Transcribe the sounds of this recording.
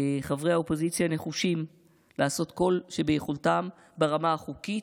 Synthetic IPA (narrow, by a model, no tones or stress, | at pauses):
χavʁehaopo̞zit͡sjane̞χuʃim | lʔaːso̞tko̞lʃebejeχultam | baʁamaaχukit